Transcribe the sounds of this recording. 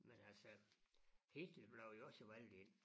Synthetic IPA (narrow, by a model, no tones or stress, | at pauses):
menhæse | hit̪libloujosoʋælʲːiːn